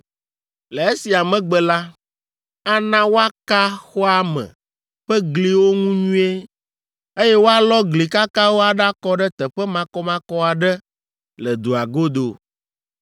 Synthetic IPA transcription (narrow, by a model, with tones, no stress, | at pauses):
le˨e˦si˨a˨mɛ̃˨ɡ͡bɛ˨la˦ | a˦nã˦wo˦a˦ka˦xɔ˦a˦mɛ̰̃˨ | ɸɛ˦ɡli˨wo˦ŋũ˦ɲũ˦e˦ | e˦jɛ˦wo˦a˦lɔ˦ɡli˨ka˦ka˦wo˦a˨ɖa˦kɔ˦ɖɛ˦t̪ɛ˨ɸɛ˦mã˨kɔ˦mã˦kɔ˦a˨ɖɛ˦ | lɛ˨d̪o˨a˨ɡo˦d̪o˨